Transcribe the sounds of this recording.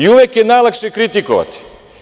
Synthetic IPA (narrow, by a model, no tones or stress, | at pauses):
iuʋekjenajlˠakʃekɾit̪ikoʋa̰t̪i̥